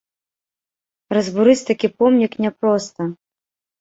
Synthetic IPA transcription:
rɐzbuɾɨt͡sʲt̪akʲipɔmnʲiknʲɛpɾɔst̪ɐ

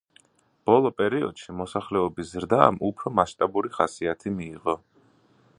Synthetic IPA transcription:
b̥ɔlˠɔpʼɛɾiɔ̰d̪̥ʃimɔsaχlɛɔbiszɾd̪a̰mupʰɾɔmaʃt̪ʼabuɾiχasiat̪ʰimiːʁɔ

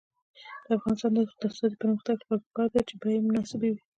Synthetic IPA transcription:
d̪̥əafɣɑnɪst̪ɑnd̪əsd̪ast̪ɑd̪ipəɾməxt̪aɡpɑkkɑd̪at͡ʃebɑjemʊnɑsɪbewi

